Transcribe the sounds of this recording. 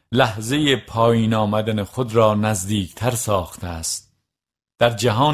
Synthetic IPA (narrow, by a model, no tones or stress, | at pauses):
læhze̞jepʰɒːjiːnɒːmæd̪ænexo̞d̪ɾɒːnæzd̪iːkʰt̪ʰæɾsɒːxt̪ʰeæst̪̚ | d̪̥æɾd͡ʒæɦɒː